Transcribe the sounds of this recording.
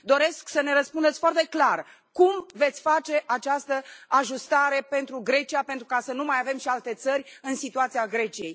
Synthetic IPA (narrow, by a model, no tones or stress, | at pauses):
d̪o̞ɾe̞sksəne̞ɾətspund̪et̪sʲfoart̪e̞klar | kumve̞t̪sʲfat͡ʃe̞ʔat͡ʃast̪əaʒust̪aɾe̞pe̞nt̪ɾuɡɾe̞t͡ʃijape̞nt̪ɾukasənumajave̞mʃialt̪e̞t̪sərʲɨnsit̪uat̪siaɡɾe̞t͡ʃije̞j